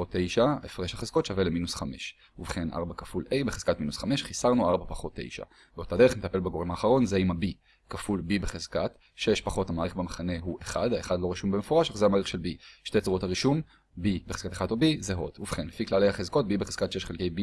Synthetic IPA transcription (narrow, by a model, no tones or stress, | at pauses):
ot̪ʰːejʃaefʁeʃhaχezko̞t̪ʃaveleminusχame̞ʃ | uvχe̞nʔa̰ʁbakafulejbeχez̥katminusχameʃχisaʁnuaʁbapaχo̞t̪ʰːḛjʃa̰ | beot̪adeemet̪ape̞lbeɡo̞ʁemaːχaʁo̞nzeimabi | kafulbibeχezkat | ʃeʃpaχo̞thamaːeχbemaχane̞ɦuʔeχa̰d̪aeχadlo̞ʁiʃumbemefoʁaʃaχzeamaʁeχʃelbiʃtet͡suʁo̞thaʁiʃum | bibeχez̥kat̪e̥χad̪ubizeɦo̞duvχenlefiklalejhaχezko̞t̚bibeχez̥kat̪ʃeʃχelke̞jbi